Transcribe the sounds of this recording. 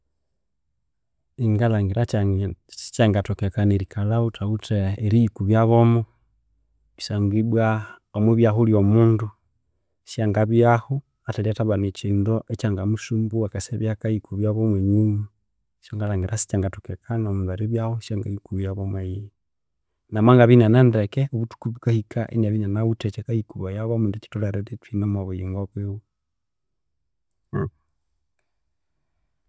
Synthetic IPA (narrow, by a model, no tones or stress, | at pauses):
iŋɡalaŋɡiɾa | si̥t͡ʃaŋɡatokekaneɾikalautautʰeːɾijikuβjaβomo | isaŋɡibwa | omwuβjaɦuljomundu | ʃaŋɡaβjahu | ataliataβanit͡ʃindoʔet͡ʃaŋɡamuʃumbuakaseβjakajikuβjaβomweɲuma | ʃoŋɡalaŋɡeɾʔasi̥t͡ʃaŋɡatukekʰanamundaɾeβjahoʃjaŋɡaikuβjaβomaij | namaŋɡaβinanandɛkɛoβutu̥kuβukahikaʔḛnaβiɲanaβutɛt͡ʃɛkaikuβajaβamundet͡ʃi̥tulaɾeɾetinamaβejiŋɡoβwewu